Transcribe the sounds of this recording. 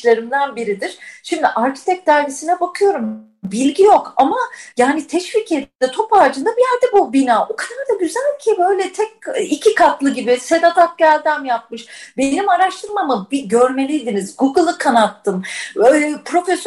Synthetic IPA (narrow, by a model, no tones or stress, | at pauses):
lʲˠeɾɯmd̪anbiɾid̪iɾ̥ʃimd̪iʔaɾcʰi̥t̪ʰɛc̚d̪aːɾesinɛbakʰɯjo̞ɾum | bilʲɟijo̞kamajaːnit̪ʰɛʃvicʰed̪ind̪ɛt̪ʰo̞paːd͡ʒɯnd̪abijæɾd̪ɛbubinaːʔo̞kʰad̪aɾd̪aɟyzælʲcʰibø̞jlʲɛt̪ʰɛc̚ːicʰikʰat̪lˠɯɟibise̞d̪at̪ʰak̪̚ɟælʲd̪æmjap̚mɯʃbe̞nimaɾaʃt̪ʰɯɾmamɯbiɟø̞ɾme̞lʲijd̪inizɡuɡɯlˠɯkʰanat̪ʰːɯm | pɾo̞fɛs